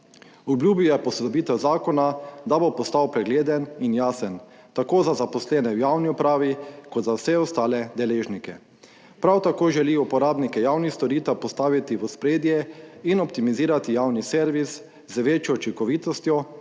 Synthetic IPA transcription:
ubljuːbijɛpɔsɛd̪ɔbiːt̪ɛwzaːkɔnad̪abopɔst̪awpɾɛɡleːd̪əninjaːsən | t̪akoːzazapɔslɛːnɛwjawniupɾaːʋikɔt̪zawsɛɔst̪aːlɛd̪ɛleːʒnikɛ | pɾawt̪akoːʒɛliupɔɾaːbnikɛjawnixst̪ɔɾiːt̪ɛpɔst̪aːʋit̪iʋɔspɾeːd̪jɛinɔp̚t̪imiziːɾat̪ijawnisɛɾʋis | zəʋeːt͡ʃjɔut͡ʃikɔʋiːt̪ɔst̪jɔ

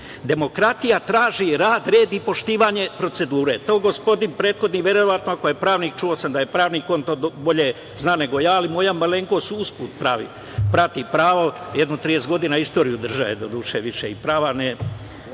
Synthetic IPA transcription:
d̪e̞mo̞kɾat̪ijat̪ɾaːʒiɾaːd̪ɾe̞ːd̪ipo̞ʃt̪iːʋaɲe̞pɾo̞t̪se̞d̪uːɾe̞t̪o̞ːɡospo̞d̪inpɾeːt̪xo̞d̪niʋʲjeɾo̞ʋat̪noakojepɾaːʋniːk̚t͡ʃuo̞samd̪ajepɾaːʋniːko̞ːnt̪oːd̪bo̞ʎe | znaːne̞ɡo̞jaːlimo̞jammaleːŋkosuuspuːt̪pɾaːʋḭ | pɾat̪ipɾaːʋojed̪nut̪ɾije̞st̪ɡo̞d̪iːnaist̪o̞ːɾijud̪r̩ʒaʋḛd̪od̪uːʃeʋiʃeipɾaːʋane

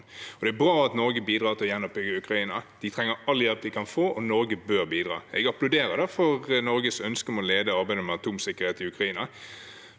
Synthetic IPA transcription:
ɔd̪ɛæbɾɑːɑt̪nɔɾɡəbiːd̪ʁɑːʁt̪ʰɪljɛnːɔpɪɡəʉkʁɑiːnəd̪̥ɪt̪ʰʁɛŋːəɾɑlːjɛlp̚d̪ɪkʰɑnfoːʔɔnɔɾɡəbøːʁbiːd̪ʁɑ̰ːɛɡɑplʊʉd̪eːɾəd̪ɛfɔʁnɔɾɡəsœnskəmɔleːd̪əɑɾbæɪd̪əmɛɑt̪ʰuːmsɪkːəʁheːt̪ɪʉkɾɑiːnə

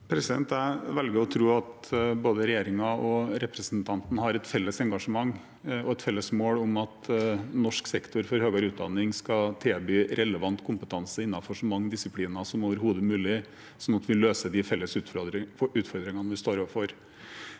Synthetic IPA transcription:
pʰɾɛsɪd̪ɛ̰nt̪æɪʋɛlɡəɾɔt̪ʰɾuːɑt̪boːd̪əɾɛjeːɾɪŋɑɔɾɛpɾəsnt̪ʰɑnt̪n̩hɑɾɛt̪fɛlːəsɛŋɡɑʂəmɑŋː | ɔɛt̪fɛlːəsmoːlʊmɑt̪nɔʂksɛkt̪ʰʊɾfɔɾhøːɡɑɾʉːt̪̚d̪ɑ̰nːɪŋskɑt̪ʰeːbyːɾɛləʋɑnt̪kʰʊmpət̪ʰɑnsəɪnːɑfɔʂɔmːɑŋːd̪ɪsɪpʰliːnɑsɔmoːʋəɾhuːd̪əmʉːlɪ | sɔnɑt̪ʋɪløːsəd̪ɪfɛlːəsʉ | ʉːt̪fɔɾd̪ɾɪŋɑnʋɪst̪oːɾɔʋəfɔɾ

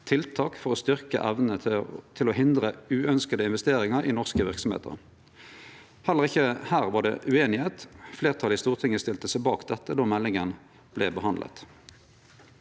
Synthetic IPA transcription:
t̪ʰɪlt̪ʰɑːkfɔʁoːst̪ʏʁkə̰ʔæʋnət̪ʰɪloɦɪnd̪ʁəʉːœnskəd̪əɪnʋɛst̪eːʁɪŋɑʁiːnɔʁskəʋɪʁksɔm̩ḛːt̪ʰə̰ʁ | hɛlːəʁɪçːəhæːʁʋɑʁɖɛ̰ʔʉeːnɪheːt̪fleːʁt̪ʰɑlɪst̪uːʁt̪ʰɪŋːəst̪ɪlt̪əsɛɪbɑːkd̪ɛt̪ːəd̪ɑːmɛlɪŋən | b̥lɛ̰bəhɑnd̪lə̰t̪

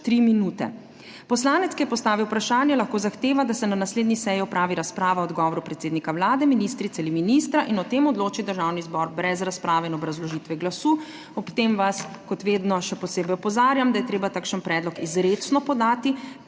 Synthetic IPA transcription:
t̪ɾiminuːt̪ɛ̰ | pɔslaːnɛt̪skijɛpɔst̪aːʋiwpɾaʃaːnjɛlaxkoːzaxt̪eːʋad̪asɛnanasleːd̪nisɛjiɔpɾaːʋiɾaspɾaːʋaɔd̪ɡɔːʋɔɾupɾɛt̪seːd̪nikawlaːd̪ɛminist̪ɾit̪sɛaliminist̪ɾaʔinɔt̪eːmɔd̪loːt͡ʃid̪əɾʒaːwnizbɔɾbɾɛzɾaspɾaːʋɛinɔbɾazlɔʒiːt̪ʋɛɡlasuː | ɔpt̪emʋas | kɔt̪ʋeːd̪nɔʃɛpɔseːbɛjɔpɔzaːɾjamd̪ajɛt̪ɾeːbat̪aːkʃənpɾɛːd̪lɔkizɾet͡snɔpɔd̪aːt̪i

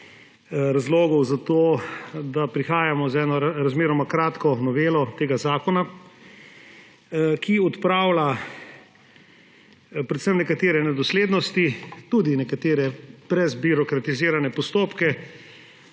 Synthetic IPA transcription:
ɾazloːɡɔwzat̪od̪apɾixaːjamɔzɛːnɔɾazmeːɾɔmakɾaːt̪kɔnɔʋeːlɔt̪eːɡazaːkɔna | kʰiɔt̪pɾaːwla | pɾɛt̪səmnɛkat̪eːɾɛnɛd̪ɔsleːd̪nɔst̪it̪uːd̪inɛkat̪eːɾɛb̥ɾɛzbiɾɔkɾat̪iziːɾanɛpɔst̪oːpkɛ

